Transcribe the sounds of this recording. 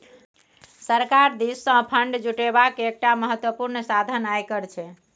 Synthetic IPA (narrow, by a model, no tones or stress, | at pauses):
səɾkaɾd̪isːə̃pʰəɳɖd͡ʒuʈebakeek̚ʈaməɦət̪wəpuɾnsad̪ʱənajkəɾt͡ʃʰɛ